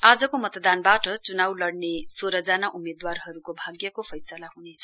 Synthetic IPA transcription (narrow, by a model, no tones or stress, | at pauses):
ad͡zʌkomʌt̪d̪anbaʈʌt͡sunawlʌɽnesoɾʌd͡zanaʔumed̪warɦʌɾukobʱaɡjʌkopʰʌjsʌlaɦunet͡sʰʌ